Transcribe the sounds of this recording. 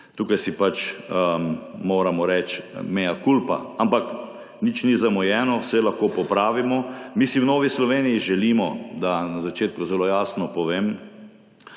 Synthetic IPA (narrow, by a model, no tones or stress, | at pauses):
t̪uːkajsipat͡ʃəmoːɾamɔɾɛt͡ʃmejakulpa̰ampak | nit͡ʃnizamɔjɛːnɔwsɛlaxkoːpɔpɾaːʋimɔmisiwnoːʋislɔʋeːnijiʒɛliːmɔd̪anazat͡ʃeːt̪̚kuzɛloːjaːsnɔpɔʋeːm